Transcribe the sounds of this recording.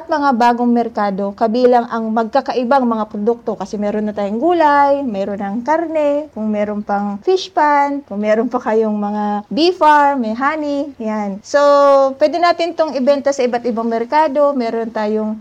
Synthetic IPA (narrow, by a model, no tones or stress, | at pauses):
ɐt̪̚mɐŋabaːɡoŋmɛɾkaːd̪o̞kɐbiːlɐŋʔɐŋmɐɡ̚kakɐʔɪbaŋmɐŋapɾod̪uk̚t̪o̞kɐsɛmɛːɾonːɐt̪aːjoŋɡuːlajmɛːɾonɐŋkaɾnɛkʊŋmɛːɾonpɐŋfɪʃpan̚kʊŋmɛːɾonpɐkɐjoŋmɐŋabifaɹmɛjɦaːnɪjansopwɛːd̪ɛnaːt̪ɪnt̪oŋɪbɛnt̪osɐʔɪbat̪̚ɪbaŋmɛɾkaːd̪o̞mɛːɾont̪aːjoŋ